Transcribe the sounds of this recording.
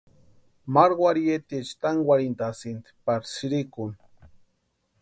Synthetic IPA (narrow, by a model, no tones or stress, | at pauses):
maɾɡwaɾiet̪et͡ʃt̪aŋɡwaɾind̪asint̪paɾsiɾikun